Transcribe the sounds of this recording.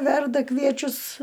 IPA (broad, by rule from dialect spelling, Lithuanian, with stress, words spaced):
ˈʋʲɛrdɐ ˈkʋʲiɛt͡ʃʲʊs